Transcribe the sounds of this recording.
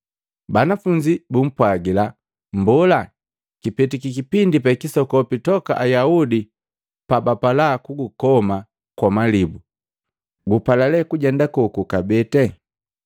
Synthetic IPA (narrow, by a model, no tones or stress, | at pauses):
banafuɲd͡ʒibum̩pwaɡila | mbɔla | kipɛtikikipindipɛkisɔkɔpitɔka̰ʔajaudi | pabapalakuɡukɔma | kwamalibu | ɡupalalɛkuɟɛndakɔkukabɛtɛ